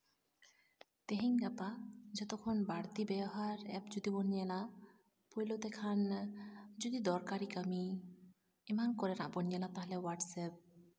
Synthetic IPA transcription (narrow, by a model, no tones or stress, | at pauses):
t̪eɦiŋɡapad͡ʑɛt̪okʰonbaɽt̪ibɛɔɦaɾɛpd͡ʒod̪ibɔnijɛla | pojlot̪ɛkʰan | d͡ʒod̪id̪ɔɾkaɾikami | imankɔɾɛna̰ʔbɔnijɛlat̪aɦlɛwaʈsɛp̚